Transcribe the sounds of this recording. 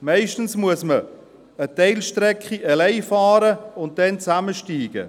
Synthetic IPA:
mɛɪʃtn̩smuəsmə | ətɛɪlʃtɾɛkχiʔəlɛɪfɑːɾəʊnt̚d̥ɛnt͡saməʃtiːɡ̥ə̰

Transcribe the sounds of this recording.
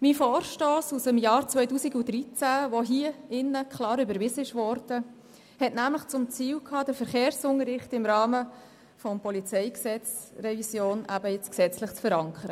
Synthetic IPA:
mifɔːrʃtoːsusəmjɑːɾt͡sʋœʏtuːsiɡudɾit͡sæʋoɦiːəɪnːəkʰlɑːɾybəɾʋɪsəɪʃʋɔɾd̥ə | hɛtnæmləχt͡sʊmt͡siːwkʰhɑːd̥əɾfəɾχeːɾsʊŋəɾɪχtɪmɾɑːmə | fɔmpɔlit͡sɛɪksɛt͡s | rɛvisjoːnʔæbəɪt͡sksɛt͡slɪχt͡sfəɾɑŋkʰəɾə

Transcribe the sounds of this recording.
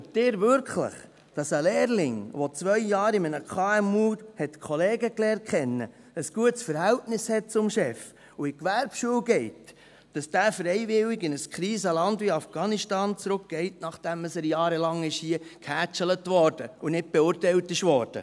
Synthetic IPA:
d̥ɪːɾvʏɾkχlə̰χ | d̥ɑsəlɛːɾlɪŋʋot͡sʋœʏjɑːɾɪmənəkʰɑːɛmuːhɛtkʰχɔlɛːɡəklɛːrt̚kχɛnːə̰ | əsɡ̥uətsfəɾhæltnɪshɛt̚t͡sʊmʃɛf | uɪkʋæɾpʃuəwɡɛɪt | d̥ɑsd̥æːfɾɛɪvɪwiɡɪnəskʰɾiːsəlɑndiɑfɡ̥ɑːniʃtɑːnt͡sɾʊk̚ɡ̥ɛɪtnɑχd̥ɛməsəɾjɑːɾəlɑŋɪʃhiəkhæːt͡ʃələtʋɔɾd̥əunɪd̚b̥ɛʊːɾtɛɪltɪʃʋɔːɾd̥ə̰

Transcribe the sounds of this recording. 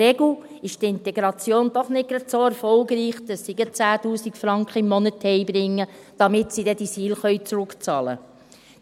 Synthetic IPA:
ɛɡl̩ | ɪʃtɪnt̪ɛɡɾɑt͡sjoːnd̥̪ɔχnɪt̚ɡ̥ɾɑt̪soːæɾfɔlɡɾiːχd̥̪əsːiɡət͡sæːtuːsikfɾɑŋkχəɪmːɔnəthɛjbɾɪŋːə | d̥ɑmɪtsidɛd̥isiːlχœʏɥt͡sɾʊkt͡sɑːlə̰

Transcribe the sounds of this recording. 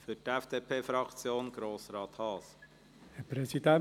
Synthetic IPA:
fytɛfd̪̥eːpʰeːfɾɑkt͡sjoːnɡ̥ɾoːsɾɑːt̪hɑːs | ɛpɾezid̪a

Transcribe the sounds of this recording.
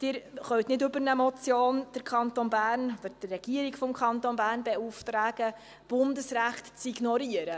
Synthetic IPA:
d̥ɪːɾχœwt̪nɪdɵbəɾnəmɔt͡sjoːnd̥əɾkʰɑnt̪onbæːɾnod̪əd̥ɪrɛɡ̥iəɾiɡfɔmkʰχɑnt̪onbæːrnbɛuft̪ɾæːɡ̥ə | b̥ʊndəsɾæχtt͡siɡnɔɾiəɾə

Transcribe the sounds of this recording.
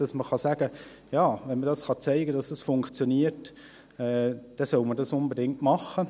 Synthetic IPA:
d̥ɑsməχɑsæːɡ̥ə | jɑːvɛnmədɑsχɑt͡sæɪɡədɑsd̥ɑsfʊŋkt͡sjoniːəɾt | ɛːd̥ɛsœʊmədɑsʊnbedɪŋtmɑχə

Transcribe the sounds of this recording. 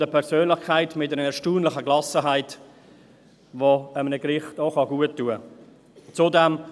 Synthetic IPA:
dəpʰɛɾsøːnlɪχkʰaɪtmɪt̚dɛɾəɛɾʃtuːnlɪχəɡlɑsəɦaɪt | voəmənəɡɾɪχtoχɑɡuətːuə | t͡sudɛm

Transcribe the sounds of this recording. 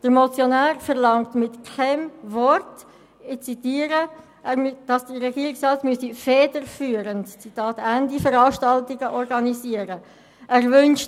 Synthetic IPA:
d̥əɾmot͡sjonæːʁfəʁlɑŋtmɪtkʰɛmvɔrt | ɪt͡sitiːəɾə | ʔɛmd̥ɑsd̥əʁɛɡiːɾɪksɑtmyəsifɛːdəɾfyːɾəntt͡sitɑːtændifəɾɑːʃtɑltiɡəʔɔrɡɑniziəɾə | ʔæːrvʏnʃ

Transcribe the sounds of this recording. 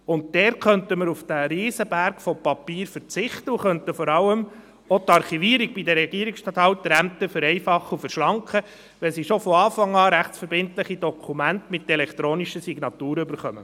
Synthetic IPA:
ʊnt̚dɛɾkœntəməɾufd̥æɾiːsəbæɾkfɔpɑpiːɾfəɾt͡sɪχt̪əuχœntəfɔɾɑlːəm | ɔtɑɾχiviəɾiɡ̚b̥idəɾɛɡ̥iəɾɪksʃtɑt̪hɑwt̪ːɾæmt̪əfɵɾɛɪfɑχːufəɾʃlɑŋkχə | ʋɛlsiʃofɔɑːfɑŋːɑːɾæχtt͡sfəɾbɪntləχidɔkʰumæntmɪtɛlɛkʰt̪ɾoːniʃəsiɡ̥nɑtuːɾəʏbəɾχœmə

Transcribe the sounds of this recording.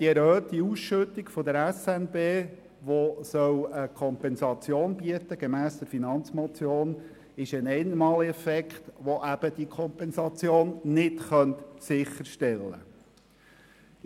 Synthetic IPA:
d̥iɛɾhøːt̪iusʃɵt̪ːiɡfɔd̪əɾɛsɛnbeː | ʋosœwəkʰɔmpɛnsɑt͡sjoːnbiət̪əɡemæːsd̥̪ɛɾfinɑnt͡smɔt͡sjoːn | ɪʃənɛɪnmɑːliɛfɛkχt̪ʋoʔæb̥əd̥̪ikʰɔmpɛnsɑt͡sjoːnnɪtχœnt̪sɪχːəɾʃtɛlːə̰

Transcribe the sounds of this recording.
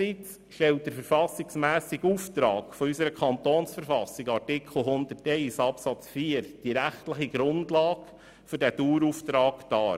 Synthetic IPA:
it͡s | ʃtɛlt̚d̥əɾfəɾfɑsːɪksmæːsiɡuːft̪ɾɑːɡ̥fɔysəɾəkʰχɑnt̪oːnsfəɾfɑsɪɡɑɾtɪkʰl̩ˠɦʊnd̪ətɛɪsɑpsɑt͡sfiːəɾd̥iɾæχtləχiɡ̥ɾʊndlɑːɡ | fʏɾdæd̥uːɾuːftɾɑːkd̥ɑː

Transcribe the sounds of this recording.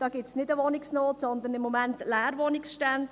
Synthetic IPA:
d̥ɑːɡ̥ɪtsnɪdəʋɔnɪksnoːtsɔnd̪ənɪmːomæntlæːɾʋɔnɪksʃtand

